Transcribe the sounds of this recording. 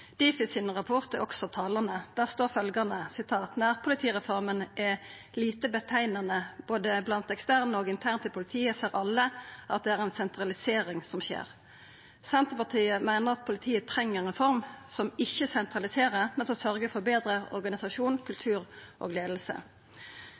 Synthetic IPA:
d̪̥iːfɪsɪnʁɑpʰɔʁt̪əɔ̰ksɔt̪ʰɑːlɑnəd̪̥æːʁst̪oːʁfœlɡɑnəsɪt̪ʰɑːt̪næːʁpʰʊlɪt̪ʰiːʁɛfɔʁmənʔɛ | liːt̪əbət̪ʰæɪnɑnəb̥oːd̪əblɑnt̪ɛkst̪æʁnəoːɡɪnt̪ʰæʁnt̪əpʰʊlɪt̪ʰiːəseːʁʔɑlːəʔɑ̰t̪̚d̪ɛæʁɛɪnsɛnt̪ʁɑlɪseːɾɪŋsɔmçḛːʁ | sɛnt̪əpɑʁt̪ʰiːəmæɪnəʁɑt̪̚pʰʊlɪt̪ʰiːət̪ʰɾɛŋːəʁɛnfɔɾmsɔmɪçːəsɛnt̪ʁɑlɪseːʁəmɛnsɔmsœʁɡəfɔbeːd̪ɾəɔ̰ʁɡɑnɪsɑʂuːnkʰʉlt̪ʰʉːʁʔo̰ːɡleːd̪l̩sə̰

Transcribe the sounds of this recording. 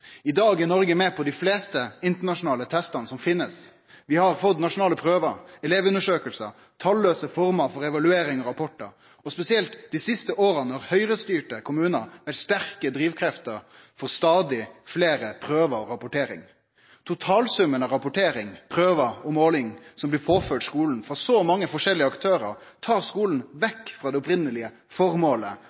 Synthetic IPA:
ɪd̪ɑːɡɛnɔɾɡəmɛːpʰɔd̪ɪfleːst̪əɪnt̪əɳɑʂʊnɑːlət̪ʰɛst̪ɑnəsɔmfɪnːəs | ʋɪhɑɾfɔt̪nɑʂʊnɑːləpʰɾøːʋəɾɛleːʋʉnəʂøːkəlsə̰ | t̪ʰɑlːøːsəfɔɾmɑfɔɾɛʋɑlʉeːɾɪŋɔɾɑpʰɔʈːəɾ | ɔspɛsɪɛlt̪d̪ɪsɪst̪əʔoːɾənɔɾhœʏɾəst̪yːʈəkʰʊmʉːnəɾʋɛlst̪æɾkəd̪ɾiːʋkʰɾɛft̪əɾ | fɔɾst̪ɑːd̪ɪfleːɾəpʰɾøːʋəɔɾɑpʊʈeːɾɪ̰ŋ | t̪ʰʊt̪ʰɑːlsʉmːənɑɾɑpʊʈʰeːɾɪŋpʰɾøːʋəɔmoːlɪŋsɔmblɪːpʰoːfœːʈskuːln̩fɾɑsɔmɑŋːəfɔʂɛlːɪəɑkt̪ʰøːɾəɾt̪ʰɑːɾskuːln̩ʋɛkːfɾɑːd̪ɛʊpɾɪnəlɪə | fɔɾmoːlə

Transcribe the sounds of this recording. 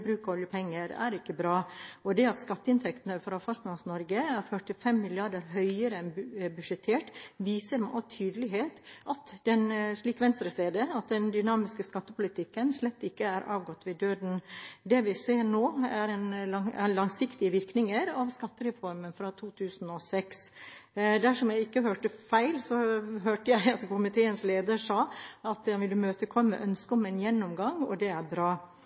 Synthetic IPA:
bɾʉːkɔɔljəpʰɛŋːəɾæ̰ɾɪkːəbɾɑːɔd̪ɛɑt̪skɑt̪ːəɪnt̪ʰɛkt̪n̩əfɾɑfɑst̪nɑnsnɔɾɡəæɾfœʈɪfɛmːɪlɪɑɖəɾɦœʏəɾəɛnbʉʂɛt̪ʰeːʈʋiːsəɾmʔɑt̪ʰyːd̪əlɪɦeːt̪ʔɑt̪d̪ɛnʂliːkʋɛnst̪ɾəseːd̪əɑt̪̚d̪ɛnd̪ʏnɑːmɪskəskɑt̪ːəpʊlɪt̪ʰɪkːənʂlɛt̪ːɪkːəæɾʔɑ̰ːʋɡɔt̪ːʋɪd̪øːd̪n̩d̪ɛʋɪseːɾɳoːæɾɛnɑæ̰lɑŋsɪkt̪ɪəʋɪɾknɪŋəɾɑʋskɑt̪ːəɾɛfɔɾmənfɾɑt̪ʰuːt̪ʰʉːsn̩ɔsɛks | d̪æʂɔmjæɪɪkːəhøːʈəfæɪlsɔɦøːʈəjæɪɑt̪kʰʊmɪt̪ʰeːənsleːd̪əɾʂɑːɑt̪ɑʋɪld̪ʉmøːt̪əkʰɔmːə̰ʔœnskəɔmɛnjɛnːʊmɡɑŋɔ̰d̪ɛæɾbɾɑː

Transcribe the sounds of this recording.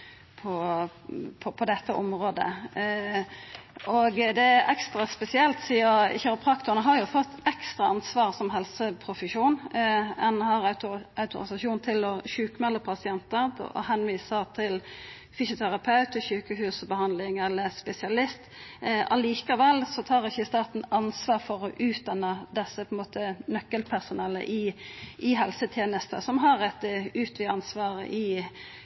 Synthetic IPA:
pʰɔ | pʰɔpʰɔd̪ɛt̪ːəʔɔmɾoːd̪ə̰ | ʔɔɡd̪ɛʔɛkst̪ʁɑspɛsɪɛlt̪siːəçæɾəpʰʁɑkt̪ʊnəɦɑʁjʊfɔt̪ːɛkst̪ʁɑɑnsʋɑːʁsɔmɦɛlsəpʰɾʊfəʂuːnɛnhɑɾœʉt̪ʊ̰ɾɪsɑʃuːnt̪ʰɪlɔɕʉːkəmɛlːəpʰɑsɪɛnt̪əɾ̰ɔ̰hɛnʋiːsəʁt̪ʰɪl | fɪsʊt̪ʰæɾɑpʰɑʉt̪əʃʉːkəhʉːsbəhɑnd̪lɪŋɛlːəspɛsɪɑlɪst̪ɑliːkɑʋɛlsɔt̪ʰɑːɾɪçːəɪst̪ɑːt̪n̩ɑnsʋɑːʁfɔɾɔʔʉːt̪̚d̪ɑnːəd̪ɛsːəpʰɔɛnmoːt̪ənœkːəlpʰæʁsʊnɛlːə̰ʔɪʔɪɦɛlsət̪ʰjeːnəst̪ə̰sɔmɦɑɾɛt̪əʉːt̪ʰʋiːɑnsʋɑːʁə̰ʔɪ

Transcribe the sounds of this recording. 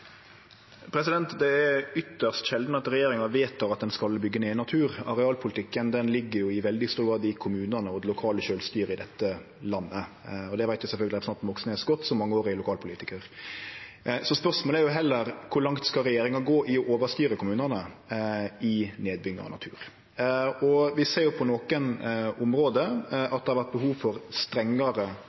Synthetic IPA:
pʰɾɛs̬ɪd̪ɛnt̪d̪ɛɛɾʏt̪ːəʁst̪ʃɛld̪nəɑt̪ɾɛjeːɾɪŋɑʋeːt̪ɑʋɑt̪̚d̪ɛnskɑlbʏɡːəneːɪnɑt̪ʰʉːɾɑ̰ɾɛɑːlpʰʊlɪt̪ʰɪkːənd̪ɛnlɪɡːəɾjʊɪʋɛld̪ɪst̪uːɡɑːd̪ɪkʰʊmʉːnənəɔd̪lʊkʰɑːləʃøːlst̪yːɾəɪd̪ɛt̪ːə | lɑnːəɔd̪ɛʋæɪt̪ʋjɪsɛlfœlɡəlɪɛpəsnɑt̪nʋɔksəneːsɔɡɔt̪ːsɔmɑŋːəoːɾɪlʊkʰɑːlpʊliːt̪ɪkəɾ | sɔspœɾsmoːlæɾjʊɦɛlːəɾkʰʊɾlɑŋt̪skɑɾɛjeːɾɪŋɑɡoːʔɪɔʔoːʋəst̪yːɾəkʰʊmʉːnənə | ɪneːd̪̚bʏŋːə̰ɾɔ̰nɑ̰t̪ʰʉ̰ːɾ | ɔʋɪseːɾjʊpʰɔnoːkənʊmɾoːd̪əɑt̪̚d̪ɛhɑɾʋæɾt̪̚bəhuːʋfɔɾst̪ɾɛŋːəɾə

